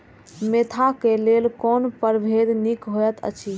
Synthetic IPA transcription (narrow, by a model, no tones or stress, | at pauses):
meːt̪ʰakelelkoːnpəɾbʱeːd̪nikɦojət̪ʰə̰t͡ʃʰi